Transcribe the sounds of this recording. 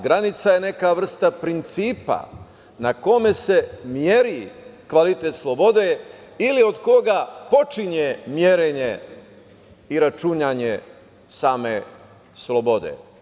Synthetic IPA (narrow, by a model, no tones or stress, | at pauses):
ɡɾanit̪saje̞ne̞kaʋr̩st̪apɾint̪siːpa̰ | nako̞me̞se̞mjeɾikʋalit̪et̪slˠo̞bo̞d̪e̞ilio̞d̪ko̞ɡapo̞t͡ʃiɲemjeɾeɲe̞ | iɾat͡ʃuɲaɲe̞ | saːme̞ | slo̞bo̞d̪ḛ